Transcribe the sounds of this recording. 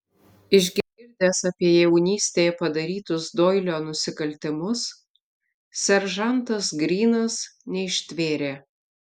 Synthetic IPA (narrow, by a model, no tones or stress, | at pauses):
ɪʒʲɡʲɪɡʲɪɾʲd̪ʲeːsɑːpʲiɛjɛʊnʲiːsʲt̪ʲeːjɛpɐd̪ɐɾʲiːt̪ʊsd̪oːɪlʲoːnʊsʲɪkɐlʲt̪ʲɪmʊs | sʲɛɾʒɐnt̪ɐsɡɾʲiːnɐsnʲɛɪʃʲt̪ʲʋʲeːɾʲeː